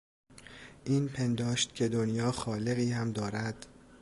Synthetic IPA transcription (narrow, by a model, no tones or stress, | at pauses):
ʔiːnpʰe̞nd̪ɒːʃt̪̚cʰe̞d̪onjɒːxɒːle̞ɣiːhæmd̪ɒːɾæd̪̥